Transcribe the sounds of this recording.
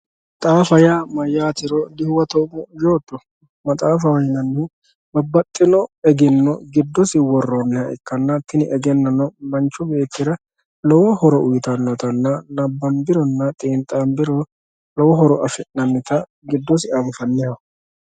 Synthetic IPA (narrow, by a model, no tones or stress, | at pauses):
t̪ʼaːfɐjaːmɐjːaːt̪ɪɾɔd̪ɪhwɐt̪ɔmɔd͡ʒo̞ːt̪ːɔ | mɐt̪ʼaːfɐwɐjɪnɐnːɛ | bɐbːɐt̪ʼːɪnɔɛɡɪnːɔɡɪd̪ːɔsɪwɔrːɔnːɛjɐɛ̰kːɐnːɐt̪ːɪnɪʔɛɡɛnːɐnɔmɐnt͡ʃːɔbe̞ːt̪ːɪɾɐ | lɔwɔhɔɾɔʔʊjt̪ɐnːɔt̪ɐnːɐnɐbːɐmbɪɾɔnːɐt̪ʼiːnt̪ʼambɪɾɔ | lɔwɔɦɔɾɔɐfɛʔnɐmːɪt̪ɐ | ɡɪd̪ːɔsɪɐɱfɐnːɪjɐ